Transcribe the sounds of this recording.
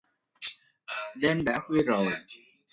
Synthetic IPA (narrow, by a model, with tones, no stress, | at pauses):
ɗe˧mɗa̰ː˧˥xwi˧əzo˨˩j